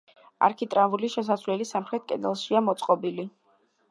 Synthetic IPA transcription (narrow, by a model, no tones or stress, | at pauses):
a̰ɾkʰit̪ʼɾavuliʃɛs̬asvlɛlisamχɾɛt̪̚ʰkʼɛ̰d̪ɛlˠʃiamɔt̪sʼqʼɔbili